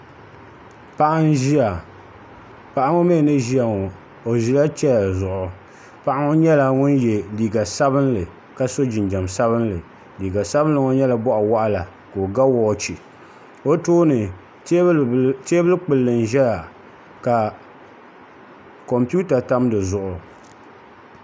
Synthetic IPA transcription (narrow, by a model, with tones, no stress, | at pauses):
pa˦ʔa˦n˦ʒi˦a˨ | pa˨ʔa˦ŋo˦me˦˨nɨ˦ʒi˦a˨ŋɔ˨ | o˨ʒi˨la˦t͡ʃɛ˦ja˨zʊ˨ʔʊ˨ | pa˦ʔa˦ŋo˦ɲɛ˦la˦ŋʊ˦njɛ˨liː˨ɡa˨sa˦bɨ˦nlɨ˨ | ka˦so˦d͡ʒɪ˨nd͡ʒa˨msa˦βɨ˦nlɨ˨ | liː˨ɡa˨sa˦bɨ˦n˦lɨ˨ŋo˦ɲɛ˦la˨bɔ˦ʔa˨wa˦ʔa˦la˨ | ko˨ɡa˦wɔː˦t͡ʃi˨ | o˦toː˦nɨ˨˦ | teː˦bɨ˦lk͡pɨ˨lːɨ˨n˨ʒɛ˦ja˨ | ka˨ | ko˨mpu˦ta˨ta˦mdɨ˨zʊ˨ʔʊ˨